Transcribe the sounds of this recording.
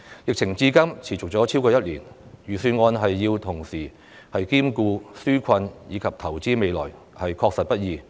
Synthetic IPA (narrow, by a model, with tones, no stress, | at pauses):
jɪ˨k̚t͡sʰɪ˨˩ŋt͡siː˨˥kɐ˥mt͡sʰiː˨˩t͡sʊ˨k̚t͡sɔː˨˥t͡sʰi˥wkɔː˧jɐ˥t̚liː˨˩njyː˨˩syː˧nŋɔː˧nɦɐ˨jːiː˧wt̪ʰʊ˨˩ŋsiː˨˩ | hɐ˨jkiː˥mkuː˧syː˥kʷʰɐ˧njiː˨˧kʰɐ˨p̚t̪ʰɐ˨˩wt͡siː˥me˨˧jlɔ̰ː˨˩j | hɐ˨jkʰɔː˧k̚sɐ˨t̚pɐ˥t̚jiː˨˧